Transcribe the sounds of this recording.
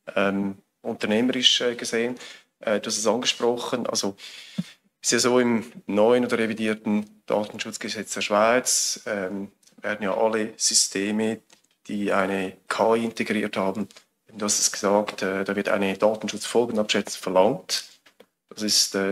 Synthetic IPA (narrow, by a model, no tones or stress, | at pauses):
ʔɛːm | ʔʊntɐʁneːməɾɪʃɛːɡ̥əzeːən | ʔɛd̥uhastɛstɑnɡəʃpʁɔχənʔɑ̰lz̥o | ɛstjɑːzoːɪmnɔʏənoːdəɾevidiːtn̩d̥a̰ːtn̩ʃʊt͡sɡ̥əzɛt͡sd̥eːɐʃv̥aɪt͡sɛm | vɛːɐdən̩ja̰ːʔɑlːəz̥ystʰeːmə | d̥iːaɪnəkʰaːiɪnteɡɾiːɐthɑːbn̩ | ebn̩duhaɑstɛ̥stɡ̥ə̥zɑːktʰɛːd̥ɑːvɪta̰ɪnəd̥aːtn̩ʃʊt͡sfɔlɡənɑpʃɛt͡snfɛɐlɑŋt | d̥ɑsɪstɛː